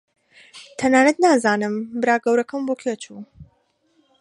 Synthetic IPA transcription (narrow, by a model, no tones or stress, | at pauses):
t̪ʰɐnaːnɐt̪naːzaːnɨmbɨɾaːɡɐwɾɐkʰɐmboːkʰet͡ʃuː